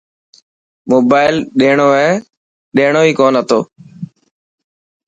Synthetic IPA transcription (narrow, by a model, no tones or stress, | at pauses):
moːbaːɪlɗeːɳoːɛː | ɗeːɳ̃oːiːkoːnɦət̪ʰoː